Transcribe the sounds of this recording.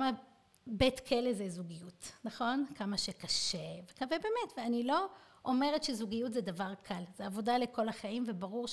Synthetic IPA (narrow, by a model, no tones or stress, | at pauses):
ma | betkʰelezezuɡijutnaχo̞nkamaʃekaʃevekavebeːmetveanilo̞ | ʔomeʁetʃezuɡijutzedavaʁkʰalzeavo̞dalekʰo̞laχaimvebaʁuʁʃ